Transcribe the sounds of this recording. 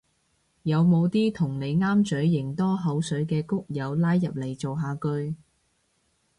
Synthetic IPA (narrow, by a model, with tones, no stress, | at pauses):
jɐ˨˧wmo˨˧wt̪iː˥t̪ʰʊ˨˩ŋne˨˧jŋaː˥mt͡sɵ˨˥ɥːɪ˨˩ŋt̪ɔː˥ɦɐ˨˥wsɵ˨˥ɥkɛː˧kʊ˥k̚jɐ˨˧wlaː˨˥jːɐ˨p̚le˨˩jt͡so˨wɦaː˨˧kɵ˧ɥ